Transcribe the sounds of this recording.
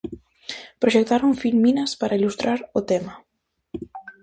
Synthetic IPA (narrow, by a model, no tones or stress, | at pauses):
pɾoʃek̚t̪aɾuɱfilminaspaɾʔailust̪ɾaɾʊt̪ema